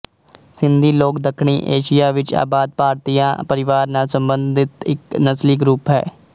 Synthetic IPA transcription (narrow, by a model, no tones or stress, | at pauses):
sɪnd̪iːloːkd̪əkʰɳ̃ḭːʔeːʃɪjaːʋɪt͡ʃa̰ːbaːd̪̚paːɾt̪ijã̰ːpəɾɪʋaːɾnaːlsəmbənd̪ɪt̪ɪknəsliːɡɾuːpɦɛ̰ː